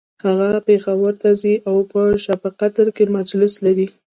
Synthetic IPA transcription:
haɣapexawəɾt̪aziʔawpəʃapəqat̪ɾkemad͡ʒlɪslaɾi

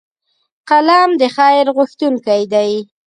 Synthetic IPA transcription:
qalɑmd̪əxɑjɪɾɣʊxt̪uŋkajd̪aj

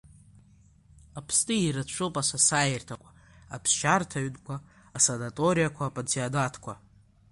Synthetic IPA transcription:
apʰstʼɨiɾat͡ʃʷʰopʼasasajertʰakʷʼḁapʰsʃartʰaɥdʼkʷaː | sanatʼoɾijakʷʰaːpʼat͡sʰiadatʰkʷʰa

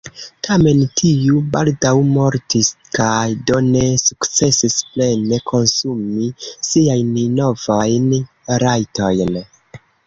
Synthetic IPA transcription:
tʰame̞ntʰiubaldawmo̞ɾtiskajdone̞sukt͡se̞sisple̞ne̞kʰo̞nsumisiajnno̞vajn | ɾajto̞jn

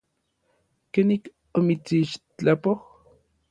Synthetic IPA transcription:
kenik | omit͡siʃt͡ɬapoh

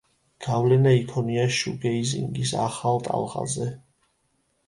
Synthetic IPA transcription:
ɡ̥avlɛnaikʰɔniaʃuɡɛizḭŋɡisa̰χalˠt̪ʼa̰lˠʁa̰zɛ

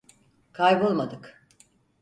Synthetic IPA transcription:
kʰajbolˠmad̪ɯk

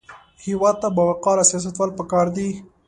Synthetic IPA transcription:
hiwɑd̪̚t̪abɑwaqɑlasijɑs̬at̪wɑlpəkɑɾd̪i

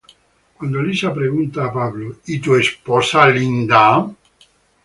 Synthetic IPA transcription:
kwand̪olisapɾeɣunt̪aːpaβloit̪uespɔsalind̪a

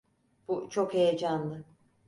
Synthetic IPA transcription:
b̥ut͡ʃʰo̞khejed͡ʒanlˠɯ

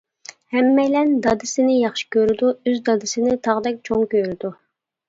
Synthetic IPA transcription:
hɛmːɛjlɛnd̪ɑd̪ɪsɪnɪjɑχʃi̥kʲøɾɪd̪uøzd̪ɑd̪ɪsɪnɪt̪ʰɑʁd̪ɛk̚ʲt͡ʃʰoŋkʲøɾɪd̪u

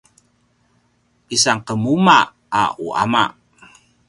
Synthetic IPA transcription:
ʔisaŋqəmuma | a̰uʔa̰ma̰ʔ

